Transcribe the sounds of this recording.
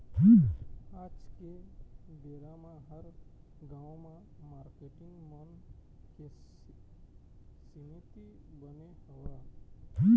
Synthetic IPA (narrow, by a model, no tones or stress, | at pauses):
ãt͡ʃkebeːɾamãɦəɾ | ɡãːmã | maːɾkeʈɪŋɡmənke | sinit̪i | bəneɦəwɾa